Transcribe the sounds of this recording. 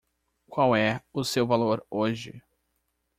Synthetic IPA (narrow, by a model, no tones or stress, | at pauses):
kʷwawɛʊsewvaloɾoʒɪ̰